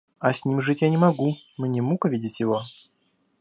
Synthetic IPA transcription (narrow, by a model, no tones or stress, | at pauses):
ɐsʲnʲimʐɨtʲjanʲɪmɐɡumnʲɛmukəvʲidʲɪtʲjɪvo